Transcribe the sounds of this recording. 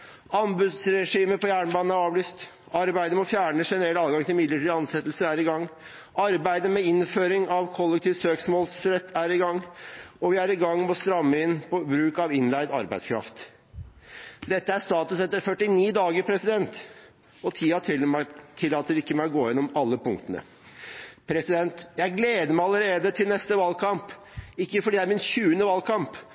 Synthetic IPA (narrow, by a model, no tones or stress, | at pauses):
ɑmbʉd̪sɾɛʂiːməpɔjæːɳbɑːnn̩æɾɑːʋlyːst̪ | ɑɾbæɪd̪əmɔfjæːɳəʂɛnəɾɛlt̪ɑːlɡɑŋt̪ʰɪlmɪd̪ləʈʰiːd̪ɑnsɛt̪ːlsəæɾɪɡɑŋː | ɑɾbæɪd̪əmɛɪnføːɾɪŋɑʋkʰɔlːɛk̚t̪ʰiːʋsøːksmɔːlsɾɛt̪ːæɾɪɡɑŋːɔʋɪæɾɪɡɑŋːmɔst̪ɾɑmːəɪnpʰɔbɾʉːkɑʋɪnlæɪd̪ɑ̰ɾbæɪd̪skʰɾɑ̰ft̪ | d̪ɛt̪ːəæɾst̪ɑːt̪ʉsɛt̪ːəɾfœʈːɪniːd̪ɑːɡəpʰɾɛsɪd̪ɛnt̪ | ɔt̪ʰiːɑt̪ʰɪlt̪ʰɪlːɑːt̪əɾɪkːəmæɪɔɡoːjɛnːɔmɑlːəpʊŋkt̪ənə̰ | pʰɾɛsɪd̪ɛnt̪jæɪɡleːd̪əmæɪɑləɾeːd̪ət̪ʰɪlnɛst̪əʋɑːlkʰɑmp | ɪkːəfɔɖiːd̪æɾmɪnɕʉːənəʋɑːlkʰɑmp